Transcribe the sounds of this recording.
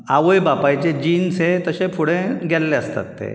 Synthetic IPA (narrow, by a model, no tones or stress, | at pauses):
aʋəjbapajt͡ɕed͡ʑiːnset̪əɕẽpʰuɽẽɡʱɛlːeəst̪a̰t̪ːḛ